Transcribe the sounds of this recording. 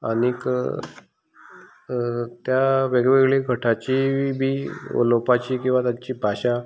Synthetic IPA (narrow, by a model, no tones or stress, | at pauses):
aɽ̃ik | t̪jaʋeɡʋeɡɭeɡʱəʈʰat͡ɕibʱiːo̰lopat͡ɕiːkĩw̃ʋat̪jaɲt͡ɕiːbʱaɕa